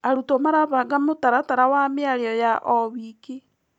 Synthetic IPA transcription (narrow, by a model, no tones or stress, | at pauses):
aɾutomaɾaβaɡamotaɾataɾawamiaɾeɔjaʔɔβike